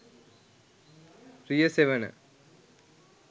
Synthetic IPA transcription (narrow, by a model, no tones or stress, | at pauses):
rijɐseʋɐnɨ̰